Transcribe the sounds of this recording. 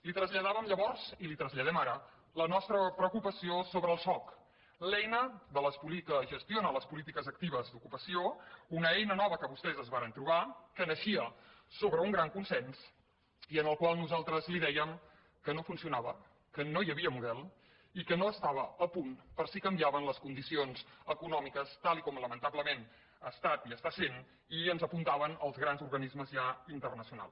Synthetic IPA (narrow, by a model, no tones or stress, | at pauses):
lit̪ɾəzʎəðaβəmʎəβɔrz̥ilit̪ɾəzʎəð̞ɛmaɾə | lənɔst̪ɾəpɾəukupəsiosoβɾəːlˠsɔk | lɛjnəðələspulikəʒəst̪ionələspulit̪̬ikəzək̚t̪iβ̞əzd̪ukupəsiounəɛjnənɔβəkəβust̪ɛzəzβaɾənt̪ɾuβ̞akənəʃiəsoβɾəuŋɡɾaŋkunsɛns | iənəlˠkwalˠnuzalˠt̪ɾəzliðɛjəm | kənofunsiunaβə | kənojəβiəmuðɛlˠ | ikənoəst̪aβəːpunpəɾsikəmbiaβənləskund̪isionzəkunɔmikəst̪alˠikɔmləmənt̪abləmen | əst̪at̪iəst̪asen | iənzəpunt̪aβənəlˠzɣɾanzurɣənizməzʒaint̪ərnəsiuna̰lˠs